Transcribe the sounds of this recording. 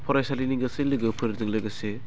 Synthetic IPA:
pʰɔɾajsaliniŋɡɐselɯɡɯpʰɯɾzɯŋlɯɡɐse

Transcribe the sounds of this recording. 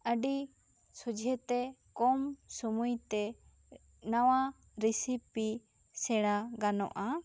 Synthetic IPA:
əɖi | sud͡ʒʱɛt̪ɛkɔmsumujt̪ɛ | nawa | ɾisipi | sɛɽaɡanɔ̰ʔa

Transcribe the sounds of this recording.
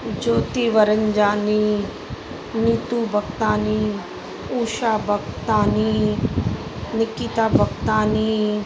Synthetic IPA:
d͡ʒoːt̪iʋəɾəɲd͡ʒaːni | niːt̪ubʱɐk̚t̪aːni | uːʃaːbʱɐkt̪aːni | nɪkiːt̪aːbʱɐkt̪aːni

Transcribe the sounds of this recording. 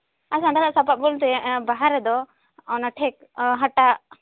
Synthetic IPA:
asãɳɖalaʔsapat̪̚bult̪̬ɛbaɦaɾɛd̪ɔ | nəʈʰɛk̚ɦaʈaʔ

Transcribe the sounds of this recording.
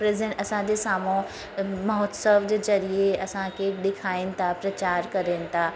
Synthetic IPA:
pɾezə̃ɐsãd͡ʑesaːmõ | mɐɦɔt̪səʋd͡ʑezɐɾieɐsãkeɖ̪ɪkʰaːint̪ʰapɾɐt͡ɕaːɾkɐɾẽːnt̪ʰaː

